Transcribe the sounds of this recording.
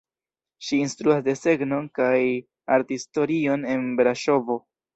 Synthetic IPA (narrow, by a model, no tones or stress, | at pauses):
ʃiːnstɾuasde̞se̞ɡno̞nkaj | aɾtisto̞ɾio̞ne̞nbeɾaʃo̞vo̞